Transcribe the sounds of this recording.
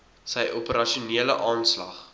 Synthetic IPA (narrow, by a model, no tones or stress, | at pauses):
sɛjʔupəɾɐʃuniələʔɑːnslɐ̰χ